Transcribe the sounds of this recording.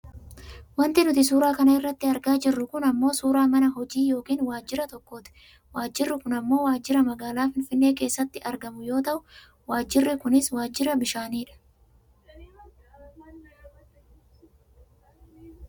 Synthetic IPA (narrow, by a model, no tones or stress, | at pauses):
wɐnt̪ɪnʊt̪ɪs̬uːɾaːkɐnɐɪrːɐt̪ːɪɐɾɡaːd͡ʒɪrːʊkʊnɐmːo̞ːsuːɾaːmɐnɐɦɔd͡ʒiːjo̞ːkiːnwaːd͡ʒːɪɾɐt̪ɔkːoːt̪ɪ̥ | waːd͡ʒːɪrːʊkʊnɐmːo̞ːwaːd͡ʒːɪɾɐmɐɡaːlaːfɪnfɪnːe̞ːke̞ːsːɐt̪ːɪʔɐɾɡɐmʊjo̞ːt̪ɐʔʊ | waːd͡ʒːɪrːɪkʊnɪswaːd͡ʒːɪɾɐbɪʃaːniːᶑɐ̥